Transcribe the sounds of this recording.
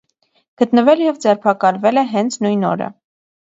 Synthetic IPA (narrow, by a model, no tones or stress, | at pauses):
ɡ̥ət̪nəvɛljɛvd͡zɛrpʰɑkɑlvɛlɛɦɛnt͡sʰnujnɔ̰ɾə̰